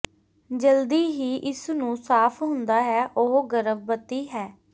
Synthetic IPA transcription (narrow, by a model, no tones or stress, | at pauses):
d͡ʒəld̪iːɦiːʔɪsnũːsaːpʰɦʊ̃nd̪aːɦɛːʔoɦɡəɾəʋbət̪iːɦɛː